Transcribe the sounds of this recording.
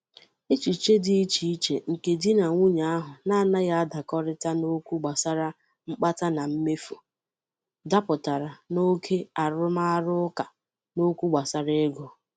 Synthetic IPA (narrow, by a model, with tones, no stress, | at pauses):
e˦t͡ʃi˨t͡ʃe˦dɪ˨i˦t͡ʃi˨i˦t͡ʃe˨ŋ̩˨ke˨di˦na˨ŋʷu˦ɲa˨a˦ɦʊ˨na˦a˨na˦ja˦a˦da˨kɔ˦ɾɪ˦ta˦no˦kʷu˦ɡ͡ba˨sa˦ɾa˦ | ŋ͡m̩˦k͡pa˦ta˦na˨m̩˦me˦fu˨ | da˦pʊ˨ta˨ɾa˨no˦kʰe˦a˨ɾʊ˦ma˦a˦ɾʊ˦ʊ˦ka˨ | no˦kʷu˦ɡ͡ba˨sa˦ɾe˦e˦ɡo˨